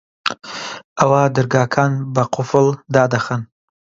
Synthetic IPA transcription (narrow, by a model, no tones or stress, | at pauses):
ɐwad̪ɨɾɡɑːkʰɑːnbɐqʰʊfɨld̪ɑːd̪ɐxən